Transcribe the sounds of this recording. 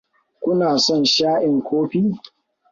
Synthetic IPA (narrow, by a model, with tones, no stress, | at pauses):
kʷʊ˦naː˨sɔ˦˨nʃaː˦ʔɪ˨ŋkʷʰoː˦ɸiː˦